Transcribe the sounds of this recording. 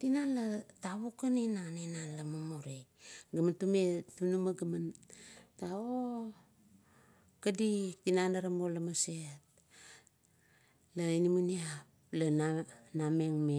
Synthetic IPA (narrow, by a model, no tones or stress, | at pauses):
tinalataβokaninanenalamomoɾejɡamantumetunumaɡamantao | kaditinanaɾamolamaset̚ | lainimuniap | lananame̞ŋme